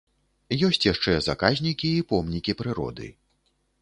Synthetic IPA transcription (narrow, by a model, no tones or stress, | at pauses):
jɔsʲt͡sʲjaʂt͡ʂɛzakazʲnʲikʲiːpɔmnʲikʲipɾɨɾɔ̰d̪ɨ̰